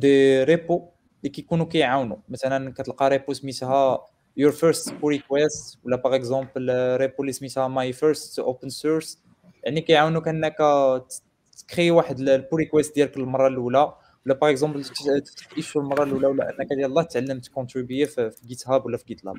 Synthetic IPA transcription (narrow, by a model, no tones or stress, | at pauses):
d̪eɾepo | likæjkunukæjʕawnumæt̪ælækæt̪əlqɑɾˤeput̪mit̪ɦæ | juɾfəɾst̪puɾikwæst̪wəlːæpɑʁəkzɑ̃pəlɾepulːismit̪hæmajfəɾst̪ʔopənsuɾs | jaʕnikæjʕawnukæʔnːækæ | kχiwaħəd̪llpuɾikwæst̪̚d̪jælkəllmɑrˤːɑlulæ | wlːæpɑʁəɡzɑ̃bəlt̪t̪ə̥ft̪ə̥t̪ʔiʃulmɑrˤːɑlulæwəlːæ̰ʔə̰nːækæd̪jællˤːɑht̪ət̪ʕalːəmt̪kɔ̃t̪ɾibeffiɡit̪hæbwəlːæfiɡit̪læ̰b